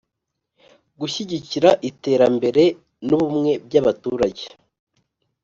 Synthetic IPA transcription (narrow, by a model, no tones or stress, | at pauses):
ɡuʃiɟiciɾaʔite̞ːɾambe̞ɾe̞ | nuβumŋe̞b̚ɟaβatuːɾaɟe̞̥